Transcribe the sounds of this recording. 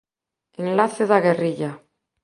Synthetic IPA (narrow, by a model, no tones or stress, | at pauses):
enlaθeðaɣeriʎa